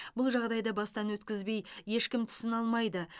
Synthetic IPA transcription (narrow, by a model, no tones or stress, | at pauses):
bʊlˠʒɑʁd̪ɑjd̪əbɑst̪ɑnwɵt̪kʲɪzbe̞jːe̞ʃkʲɪmt̪ʰʏ̥sɪnɑlˠmɑjd̪ə